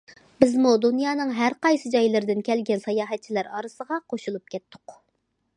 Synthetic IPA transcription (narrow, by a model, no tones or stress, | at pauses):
bɪzmud̪unjɑːnɨŋɦæɾqɑjsɨd͡ʒɑjlˠɨɾd̪ɪnkʲɛlɡʲɛnsɑjɑːɦɛt̪̚t͡ʃʰilæɾɑɾɨsəʁɑqʰoʃulˠup̚kʲʰɛt̪ʰːʊ̥q